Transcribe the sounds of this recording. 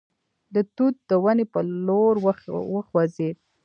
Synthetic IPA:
d̪ət̪ut̪̚d̪əwanepəloɾwəxwazed̪̚

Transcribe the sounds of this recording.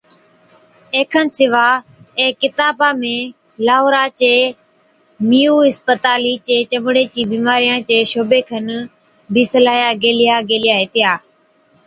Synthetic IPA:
eːkʰənsɪʋaːɛ̃ːkɪt̪aːbãːmẽː | laːɦoːɾãːt͡ɕeː | miːuːɦɪspət̪aːliːt͡ɕeːt͡ʃəmɽeːt͡ɕiːbiːmaːɾijãːt͡ɕeːʃoːbeːkʰən | bʱiːsəlaːjaːɡeːlɪjaːɡeːlɪjaːɦeːt̪ɪjaː

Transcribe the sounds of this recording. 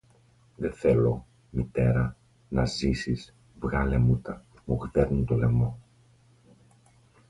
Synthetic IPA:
ðeθe̞lo̞ | mit̪e̞ɾɐ | nɐzisis | vɣɐle̞mut̪ɐ | muɣðeɾnunt̪o̞le̞mo̞

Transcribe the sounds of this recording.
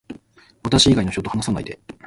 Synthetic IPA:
βat̪aɕiiɡaino̞çit̪oohanasana̰ḭd̪e̞

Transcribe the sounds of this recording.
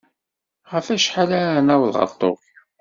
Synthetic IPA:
ʁəfæʃħalæɾənæwlʁə̰t̪ˤːo̰f

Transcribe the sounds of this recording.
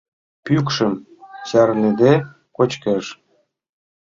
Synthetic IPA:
pykʃəm | t͡ɕærned̪e | kot͡ɕkeʃ

